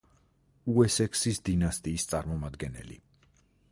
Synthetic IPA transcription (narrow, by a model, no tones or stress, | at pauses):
uɛsɛkʰsisd̪inast̪ʼiːst̪sʼa̰ɾmɔmad̪ɡɛnɛ̰lḭ